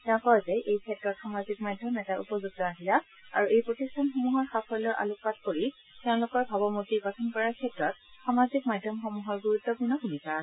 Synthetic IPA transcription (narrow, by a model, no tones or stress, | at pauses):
tɛʊ̃kɔzɛʔejkʰɛtɹɔtxamazik̚madʱjɔmɛtaʔṵpɔzuɡ̚tɔaɦila | a̰ɹuʔejpɹotistʰanxomuɦɔɹxapʰɔɹlɔɹʔa̰lʊk̚pat̚koɹi | tɛʊ̃lʊkɔɹbʱabɔmutiɡɔtʰɔnkɔɹaɹkʰɛtɹɔtxamazikmadʱjɔmxɔmuɦɔɹɡuɹutːɔpuɹnɔɡunisas